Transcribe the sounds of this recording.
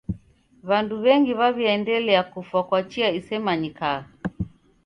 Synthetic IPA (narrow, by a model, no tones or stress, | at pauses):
βanduβɛŋɡiβaβiɛndɛlɛakufwakwat͡ʃiaisɛmaɲikaa